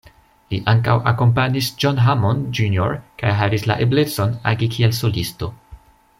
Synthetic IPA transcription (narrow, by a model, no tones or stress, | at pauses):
liʔaŋkawa̰ko̞mpaɲisd͡ʒonɦamond͡ʒunjo̰ɾkajɦavisla̰ʔeble̞tt͡so̞na̰ɡikʰielso̞listo̞